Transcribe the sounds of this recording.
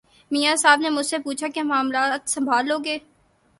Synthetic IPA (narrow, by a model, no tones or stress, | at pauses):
miːjasaːbnemʊd͡ʒʱsepuːt͡ʃʰakeamaːmlaːt̪sɐ̃mbʱaːlːoːɡeː